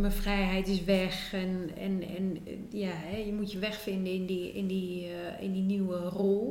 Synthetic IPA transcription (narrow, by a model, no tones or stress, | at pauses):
məfrɛjɦɛjtɪsʋɛxɛnɛ̰nɛ̰n | jahɛjəmutjəʋɛxfɪndəɪndiɪ̰ndi | ɪ̰ndiniwərolˠ